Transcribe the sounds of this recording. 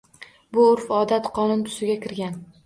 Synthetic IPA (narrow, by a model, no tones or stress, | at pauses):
bʊʊɾfɒd̪at̪qʰɒnʊnt̪ʰʊ̥sɪɡʲakʲʰɪɾɡʲan